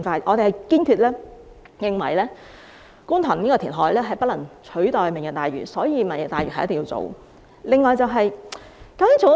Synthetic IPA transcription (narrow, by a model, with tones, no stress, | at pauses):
ŋfaː˧˩ʔɔː˨˧ɾe˨hɐ˨jkiː˥nkʰyː˧t̚lɛː˥ | jɪ˨ŋwɐ̰˨˩jlɛː˥ | ku˥nt̪ʰɐ˨˩niː˥kɔː˧t̪ʰiː˨˩nɦɔː˨˥jlɛː˥ɦɐ˨jpɐ˥t̚lɐ˨˩ŋt͡ʃʰɵ˨˥ɥt̪ɔː˨jmɪ˨˩ŋkɛ˧˩t̪aː˨˩jy̰ː˨˩sɔː˨˥jiː˧mɐ˨˩njɪ˨k̚t̪aː˨jyː˨ɐ˨jt̪ːŋjiː˧wt͡so̰˨w | lɪ˨ŋːɔː˨˧jt͡sɐ˨˧wɦɐ˨j | kɐ˨˥ɐː˨˥ŋt͡so˨